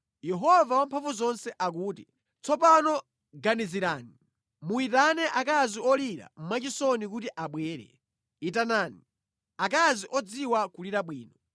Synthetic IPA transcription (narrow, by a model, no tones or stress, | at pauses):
jɛɦɔvawampʰaɱvuzɔnsɛʔak̬uːti | t͡sʰɔpanɔ | ɡaniziɾaːni | muitanɛʔakaziɔliɾa̰m̩mat͡ʃisɔnikutiʔaɓwɛːɾɛ̰ | itanaːni | akaziʔɔd͡ziwakuliɾaɓwiːnɔ